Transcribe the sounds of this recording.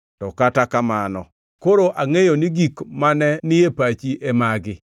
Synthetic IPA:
tɔkatakamanɔ | koɾoʔaŋejoniɡikmanɛnɪjepat͡ʃiʔemaɡɪ

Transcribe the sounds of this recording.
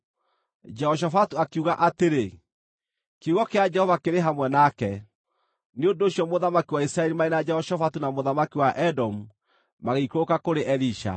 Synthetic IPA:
d͡ʒɛɔʃ̬afatuakuɣaʔateɾe | keuɣɔkead͡ʒɛhɔvakeɾeɦamwɛnakɛ | neondoːɕjɔmoðamakiwaisɾaɛɾimaenad͡ʒɛhɔʃɔfatunamoðamakiwaʔɛdɔmu | maɣeikokakoɾeʔɛɾiʃa̰

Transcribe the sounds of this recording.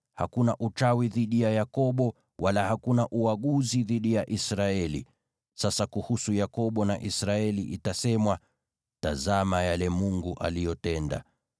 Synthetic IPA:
hakunaʔut͡ʃawiðiɗijajakɔɓɔ | walahakunaʔuaɠuziðiɗijaʔisɾaɛlḭ | sasakuhusujakɔɓɔnaʔisɾaɛliʔitasɛmwa | tazamajalɛmuŋɡuʔa̰lijɔtɛnda̰

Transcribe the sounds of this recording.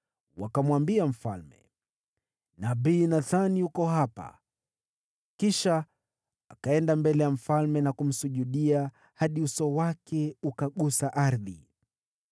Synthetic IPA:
wakamwambiam̩fa̰lmɛ̰ | naɓiːnaðaniukɔhapa̰ | kiʃa | a̰kaɛndambɛlɛjam̩falmɛnakum̩suʄuɗia | haɗiusɔwakʰɛukaɠusaʔaɾðḭ

